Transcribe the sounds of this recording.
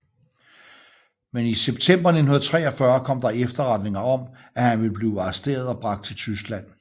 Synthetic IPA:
meniseb̥t͡sʰem̰b̥ɐne̝n̩hunð̩ˠt͡sʰʁɛ̰ːɒ̽fɶɐkʰɒ̽m̰d̥ɑ̈efd̥ɐʁɑd̥ne̝ŋɐɒ̽m | æhænʋe̝lb̥liːɑ̈sd̥e̝̰ːɐð̞ˠɒ̽b̥ʁɑ̈ɡ̥d̥̚t͡sʰe̝lt͡sʰys̬ɡ̥læn̰

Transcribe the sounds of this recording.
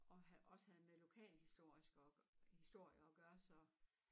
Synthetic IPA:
ɒ̽hæʔɒ̽sə̥hæð̩ˠmelo̝kʰɛ̰ːlhisd̥o̝ɐ̰isɡ̥ɒhisd̥o̝ɐ̰jɐɒɡ̥ɶːɐsɒ̽

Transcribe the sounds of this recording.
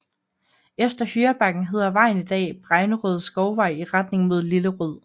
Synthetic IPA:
efd̥ɐhyːɐb̥ɑ̈ɡ̥n̩ɦe̝ð̞̰ˠɐʋɑ̈ɪ̰n̩id̥ɛ̰ːb̥ʁaɪnəʁøð̞ˠsɡ̥ɒʊʋɑ̈ɪ̰iʁɑd̥ne̝ŋmo̝ð̞̰ˠliləʁøð̞̰ˠ

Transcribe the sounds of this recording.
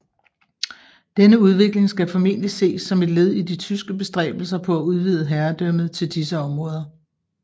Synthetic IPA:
d̥enəuð̞ˠʋe̝ɡ̥le̝ŋsɡ̥æfɒ̽me̝̰n̰lise̝̰ːsːɒ̽me̝d̥le̝ð̞̰ˠid̥it͡sʰysɡ̥əb̥e̝sd̥ʁɛ̰ːb̥l̩sɐpʰɒ̽æuð̞ˠʋiːð̞ˠəɦæɐd̥œmð̞̩ˠt͡sʰe̝ld̥isəɒ̽mʁɔ̽ːð̞ˠɐ

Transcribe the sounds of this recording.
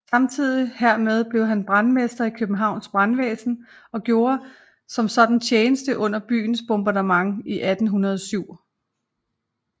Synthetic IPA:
sɑ̈mt͡sʰið̞̰ˠiheɐ̰með̞ˠb̥le̝ʊɦænb̥ʁanmesd̥ɐikʰøb̥m̩ɦɑ̈ʊ̰nsb̥ʁanʋeːsn̩ | ɒ̽ɡ̥jo̝ːɐ | sɒ̽msɒ̽d̥n̩t͡sʰjeːnəsd̥əʔɔ̽n̰ɐb̥y̰ːn̩sb̥ɔmb̥ɑ̈dəmɑ̈ŋiʔæd̥n̩ɦunɐð̞ˠɒsyʊ̰

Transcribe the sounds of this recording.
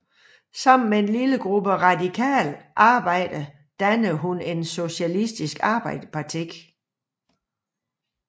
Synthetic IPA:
sɑ̈m̰n̩mee̝nliləɡ̥ʁub̥əʁɑ̈dikʰɛ̰ːlʔɑ̈ːb̥ɑ̈ɪ̰d̥ə | d̥ænəɦune̝nso̝ɕælisd̥isɡ̥ɑ̈ːb̥ɑ̈ɪ̰d̥əpʰɑ̈t͡sʰiɡ̥

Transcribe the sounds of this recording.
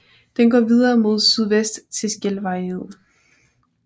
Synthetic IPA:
d̥enɡ̥ɒ̰ːʋiðˠɐːmo̝ð̞̰ˠsyðˠʋesd̥t͡sʰe̝sɡ̥elʋɑ̈ɪhe̝ð̞̰ˠ

